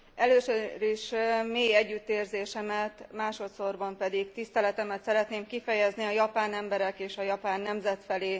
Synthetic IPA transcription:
ɛløːsøɾiʃmeːjɛɟːyt̪ːeːrzeːʃɛmɛt̪maːʃo̞t̪sorbɒmpɛd̪ikt̪ist̪ɛlɛt̪ɛmɛt̪sɛɾɛt̪neːmkifɛjɛzniɒjɒpaːnɛmbɛɾɛkeːʃɒjɒpaːnːɛmzɛt̪fɛleː

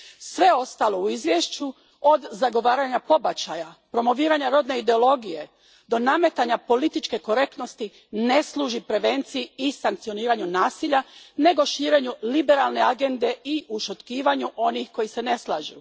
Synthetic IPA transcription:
sʋe̞o̞st̪aːlo̞uizʋjeʃt͡ɕu | o̞d̪zaɡo̞ʋaːɾaɲapo̞bat͡ɕajapɾo̞mo̞ʋiːɾaɲaɾo̞d̪ne̞id̪e̞o̞lˠo̞ɡije̞ | d̪o̞name̞t̪aɲapo̞lit̪it͡ʃke̞ko̞ɾe̞k̚t̪no̞st̪i | ne̞slˠuːʒipɾe̞ʋe̞nt̪sijiisaŋk̚t̪io̞niːɾaɲunaːsiʎane̞ɡo̞ʃiːɾe̞ɲulibe̞ɾalne̞aɡe̞nd̪e̞iʔuʃot̪kiːʋaɲuʔo̞nixko̞jise̞ne̞slˠa̰ːʒṵ

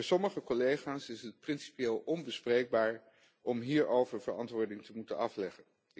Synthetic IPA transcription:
sɔməχəkɔlejχaːsɪsət̚prɪnsi̥pjeːlˠʔɔnbəsprejɡ̚baːɹ | ʔɔmɦiːɹowvəɹvəɹɑ̰ntʋʊːɹdɪŋtəmutənɑflɛχən

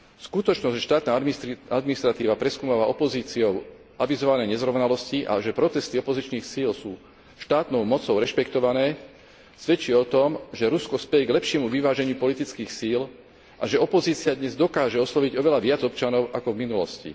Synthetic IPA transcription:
skut̪ɔt͡ʃnɔzʃt̪aːt̪naːad̪miniʃst̪ɾat̪iːʋapɾɛskuːmaːʋaʔɔpɔziːt͡siɔʊ | ʔaʋizɔʋanɛjɲɛzɾɔʋʊnalɔsciʔa̰ʒɛpɾɔt̪ɛst̪iɔpɔzit͡ʃniːxsiːlsuː | ʃt̪aːt̪nɔʊmɔt͡sɔʊɾɛʃpɛkt̪ɔʋanɛː | sʋɛt͡ʃiɛɔt̪ɔmʒɛɾuskɔspɛjɛɡlɛpʃɪɛmuʋiʋaːʒɛɲɪupɔlit̪it͡skiːxsiːl | ʔaʒɛɔpɔziːt͡siad̪ɲɛzd̪ɔkaːʒɛɔslɔʋiɟɔʋɛlaʋɪad͡zɔpt͡ʃanɔʊʔakɔvminulɔ̰scḭ

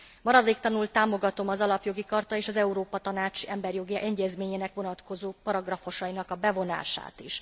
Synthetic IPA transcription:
mɒɾɒd̪eːkt̪ɒnult̪aːmo̞ɡɒt̪o̞mɒzɒlɒpjo̞ɡikɒrt̪ɒeːʃɒzɛuɾoːpɒt̪ɒnaːt͡ʃɛmbɛrjo̞ɡiʔɛɲɟɛzmeːɲeːnɛkʋo̞nɒt̪ko̞zoːpɒɾɒɡrɒfo̞ʃɒjinɒkɒbɛvo̞na̰ːʃa̰ːt̪iʃ

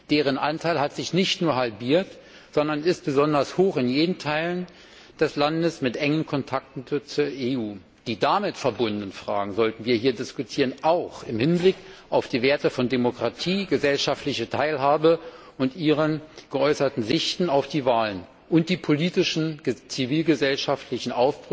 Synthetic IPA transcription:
d̥eːʁ̞ənʔa̰ntʰaɪlɦatz̥ɪçnɪçtnuːɐɦalbiːɐt | z̥ɔndɐnɪst̚b̥əzɔndɐshoːχɪnjeːdən̩tʰaɪlən | d̥ɛslandəsmɪtʔɛŋənkʰɔntʰak̚tn̩t͡suːɐʔeʔuː | d̥iːdamɪtfɛɐbʊnddən̩fʁ̥a̰ːɡŋ̩zɔltn̩viːɐhiːɐdɪskutʰiːʁənʔaʊxɪmhɪnblɪkʔaʊfd̥iːveːɐtəfɔndemokʁ̥atʰiːɡəzɛlʃaftlɪçətʰaɪlɦaːbə | ʔʊntʔiːʁənɡ̥əʔɔʏsɐtn̩zɪçtn̩aʊfd̥iːvaːlən | ʔʊnt̚d̥iːpʰoliːtɪʃn̩t͡siviːlɡəzɛlʃaftlɪçn̩ʔaʊfb̥ʁ

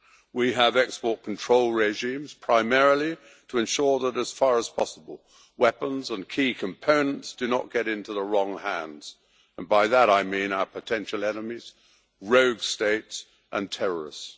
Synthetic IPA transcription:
wiəvɛkspɔɹt̚kʰn̩tʰɹ̥oʊlˠɹɛʒĩmz̥pʰɹ̥aɪmɛɹl̩ˠi | ɾʰəɨ̃nʃʊɹðəɾəz̥fɑɹəz̥pʰɑsəbəl̩ˠ | wɛpə̃nzə̃nkʰikʰɨ̃mpʰõʊ̃nə̃ntsd̥ɨnə̰ʔ̚ɡ̥ɛɾɪ̃ntuðəɹɔ̃ŋhæ̃ndz̥ | ə̃nbaɪðəɾaɪmĩnaʊə˞pʰɨtʰɛ̃nʃl̩ˠɛnəmiz̥ | ɹoʊɡsteɪts | ʔə̃ntʰɛɹə˞ɨ̰s

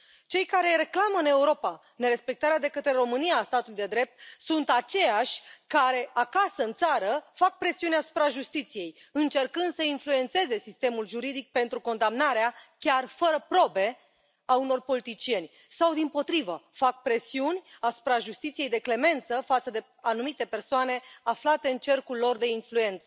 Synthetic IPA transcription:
t͡ʃe̞jkaɾe̞ɾe̞klaməɨne̞uɾo̞pa | ne̞ɾe̞spe̞k̚t̪aɾead̪e̞kət̪ɾe̞ɾo̞mɨnijaːst̪at̪ulujd̪e̞d̪ɾe̞p̚t̪̚sunt̪at͡ʃe̞jaʃʲkaɾe̞akasəɨnt̪saɾəfak̚pɾe̞siunʲasu̥pɾaʒust̪it̪sije̞j | ɨnt͡ʃe̞rkɨnd̪səinflue̞nt̪se̞ze̞sist̪e̞mulʒuɾid̪ik̚pe̞nt̪ɾuko̞nd̪amnaɾeakʲarfəɾəpɾo̞be̞ | auno̞rpo̞lit̪it͡ʃije̞nʲ | sawd̪impo̞t̪ɾivəfak̚pɾe̞siunʲasu̥pɾaʒust̪it̪sije̞jd̪e̞kle̞me̞nt̪səfat̪səd̪e̞ | anumit̪e̞pe̞rsoane̞aflat̪e̞ɨnt͡ʃe̞rkulːo̞rd̪e̞influe̞nt̪sə

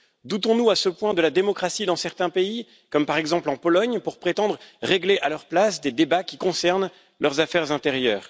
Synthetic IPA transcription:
d̪ut̪ɔ̃nuasəpwɛ̃d̪əlad̪emɔkχasid̪ɑ̃sɛʁt̪ɛ̃pei | kɔmpaʁɛɡzɑ̃plɑ̃pɔlɔɲpuʁpχet̪ɑ̃d̪ʁʁeɡleʔalœʁplasd̪ed̪ebakʲikɔ̃sɛʁn | lœʁzafɛʁzɛ̃t̪eʁjœːʁ

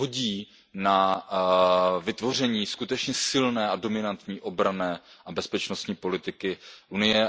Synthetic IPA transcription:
ɦoɟiː | na | vɪt̪vo̞r̝ɛɲiːskut̪ɛt͡ʃɲɛsɪlnɛːado̞mɪnant̪ɲiːʔo̞bɾanɛːʔabɛspɛt͡ʃno̞st̪ɲiːpo̞lɪt̪ɪkɪʔunɪjɛ

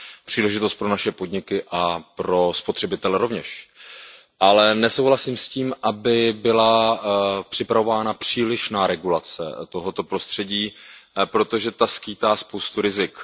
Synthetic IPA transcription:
pr̝̥iːlɛʒɪt̪o̞st̪̚pɾo̞naʃɛpo̞d̪ɲɪkɪʔapɾo̞spot̪r̥ɛbɪt̪ɛlɛɾo̞vɲɛʃ | ʔalɛnɛso̞wɦlasiːmsciːmʔabɪbɪla | pr̝̥ɪpɾavo̞vaːnapr̝̥iːlɪʃnaːɾɛɡulat͡sɛ̰t̪o̞ɦo̞t̪o̞pɾo̞st̪r̥ɛɟiːpɾo̞t̪o̞ʒɛt̪askiːt̪aːspowst̪uɾɪzɪk

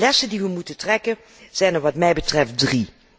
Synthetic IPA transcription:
lɛsəndiʋəmutətrɛkən | z̥ɛjnəʋɑtmɛjbətrɛft̚dri

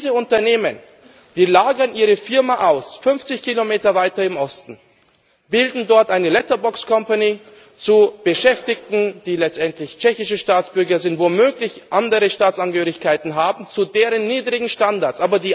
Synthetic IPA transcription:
zəʊntɐneːmən | d̥iːlaːɡɐnʔiːʁ̞əfɪɐmaʔaʊsfʏnft͡sɪçkʰilomeːtɐvaɪtɐɪmʔɔstn̩ | b̥ɪldn̩dɔɐtʔaɪnəlɛtɐbɔkskʰɔmpani | t͡sub̥əʃɛftɪk̚tn̩d̥iːlɛt͡stʔɛntlɪçt͡ʃɛçɪʃəʃtaːt͡sb̥ʏɐɡɐzɪntv̥omøːklɪçʔandəʁəʃtaːt͡sʔanɡəhøːʁɪçkʰaɪtn̩ɦaːbm̩t͡sudeːʁ̞ənːiːdʁɪɡŋ̩ʃtandaɐtt͡sʔaːbɐdiː

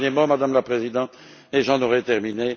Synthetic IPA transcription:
nemɔmad̪amlapχezid̪ɑ̃t̪ | eʒɑ̃nɔʁɛt̪ɛʁmine

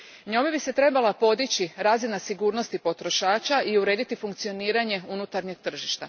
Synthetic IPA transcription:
ɲomebise̞t̪ɾe̞balˠapo̞d̪it͡ɕiɾaːzinasiɡuːɾno̞st̪ipo̞t̪ɾo̞ʃaːt͡ʃaʔiuɾe̞ːd̪it̪ifuŋkt̪sio̞niːɾaɲe̞unut̪aɾɲe̞ɡ̚t̪r̩ʒiʃt̪a

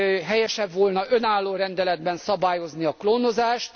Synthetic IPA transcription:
ɦɛjɛʃɛbʋolnɒʔø̞naːlːoːɾɛnd̪ɛlɛd̪bɛnsɒbaːjo̞zniɒkloːnozaːʃt̪

